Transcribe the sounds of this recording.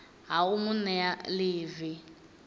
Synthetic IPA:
ɦaumunɛaliːvi

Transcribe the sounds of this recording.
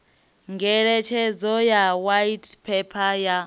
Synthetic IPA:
ŋɡɛɺɛt͡ʃʰɛd͡zɔjawajitpʰɛpʰaja

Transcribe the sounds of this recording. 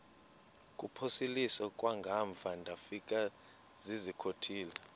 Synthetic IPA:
kʼupʰosilisɔkʼwaŋɡʱaɱvʱandʱafik̬ʼa | zizikʰotʰiːla

